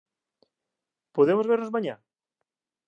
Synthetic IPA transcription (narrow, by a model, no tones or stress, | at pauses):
poðemozβeɾnozmãɲã